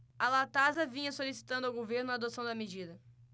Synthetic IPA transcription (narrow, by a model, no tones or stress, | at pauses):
ɐlat̪azɐvĩɲɐsolisi̥t̪ɐ̃nd̪ʊawɡoveɾnʊad̪osɐ̃w̃d̪ɐmed͡ʒid̪ɐ